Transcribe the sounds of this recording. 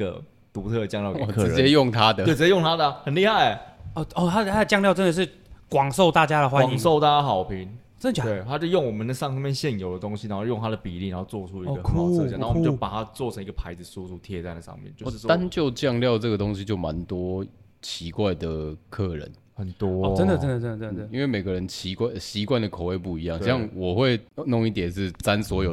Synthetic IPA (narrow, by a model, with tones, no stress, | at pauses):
ə̰˧˩ | t̪u˧˥t̪ʰɤ˥˧˩t͡ɕjɑ˥˧ŋljɑ˥˩kk̩ʰ˥˧˨ɛ˥jo˥˨ŋt̪ʰa˦d̪ə˨˥˨t͡ɕɛ˥jo˥˨ŋt̪ʰa˥d̪ə˨hə˨˩nli˥˧ha˥˩ɪ˩ɔ˥˩ɔ˥˨˩t̪ʰa˥˩t̪ʰa˥də˩t͡ɕjɑ˥˧ŋljɑ˥˧ʊʈ͡ʂə˥nd̪ə˨˩ʂ̬ɻ̩˥˩ | kwɑ˨˩ŋso˥˨ʊt̪a˥˩t͡ɕja˥ɾə˨xwa˦˥n˨i˨ŋso˥˨ʊt̪a˥˩t͡ɕa˥xɑ˨˩ʊpʰi˨˧˦ŋ | t͡ɕə˥nd̪ə˨˩˨e˥˩t̪ʰa˥t͡ɕjo˥˧ʊjo˥˩ŋwɔ˨˩mə˨nd̪ə˩ʂɑ˥˧ŋɑ˥˧mjɛ˥˧nɕjɛ˥˩njo˨˩ʊd̪ə˩t̪o˥ŋɕi˧na˧˦˥xo˥˧jo˥˩ŋnt̪a˥d̪ə˨˩pi˨˩lḭ˥˩ɻa˦xo˥ʊt͡swɔ˥˩ʈ͡ʂʰu˥i˥˨ɡə˨˧˥a˥˨n˨˥˨jo˥˩pa˨˩t̪ʰa˦˥t͡swɔ˥˩t͡ɕʰə˧˥ŋi˧˥ɡə˨˩pʰa˧˥ɪd͡zɹ̩˨su˥t͡sʰu˥t̪ʰjɛ˥˧t͡sa˥˩ɪlə˨˩ʂɑ̰˧ŋmjɛ̰˥˩nt͡ɕjo˥˧ʊʂ̩˥˧˩t̪a˥˧˨nt͡ɕjo˥˧ʊt͡ɕjɑ˥˧ŋljɑ˥˧ʊʈ͡ʂə˥˨ɡə˩t̪o˦ŋɕi˧˦t͡ɕjo˥˩ʊma˧˦nt̪wɔ˥ | t͡ɕʰi˧˥kwa˥˩ɪd̪ə˩kʰɤ˥˩ɻə̰˨˦n | xə˨˩nt̪wɔ˦˧˨ə˦˥də˨t͡sə˥nd̪ə˨˩ə˥nd̪ə˨ə˥˩i˥nwe˥˩ɪme˨˩ɪɡə˦ɻə˧˦nt͡ɕʰi˧˥kwa˥˩ɪɕi˧˥kwa˥˩nd̪ə˩kʰo˨˩ʊwe˥˧ɪpu˥˩i˧˦jɑ˥˨ŋɕjɑ˥˨ŋwɔ˨˩xwe˥˧ɪno˥˧ŋi˥˩t̪jɛ˨˩nʂɻ̩˥˩t͡sa˦nswɔ˧˥jo˨˩